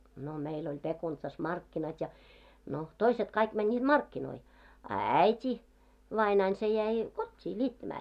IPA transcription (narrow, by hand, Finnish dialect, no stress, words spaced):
no meil olʲ pekuntsɑs mɑrkːinɑt jɑ no toiset kɑik mænnʲiːd̥ mɑrkːinoi ɑ æitʲi ʋɑinɑin se jæi kotʲːiː nʲiːtːæmæː